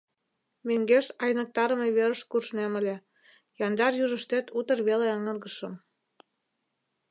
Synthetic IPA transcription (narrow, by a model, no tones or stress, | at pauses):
meŋɡeʃɑjnɤ̆k̚t̪ɑɾə̆meβeɾə̆ʃkurʃnemə̆lʲĕ | jɑnd̪ɑrjuʒə̆ʃt̪et̪ut̪ə̆rβeleəŋɤ̆rɣəʃɤ̆m